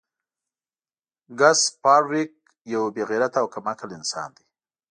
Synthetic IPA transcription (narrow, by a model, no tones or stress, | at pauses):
ɡaspɑɽwɪk̚ | jawbeɣiɾat̪awkamakalɪnsɑ̰nd̪i